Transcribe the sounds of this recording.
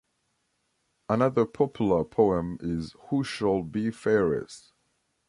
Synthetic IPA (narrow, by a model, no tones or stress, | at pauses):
ənʌðəpʰɒpʰjl̩ˠəpʰoʊə̃mɪz̥huʃəlˠbifɛːɹɪ̰s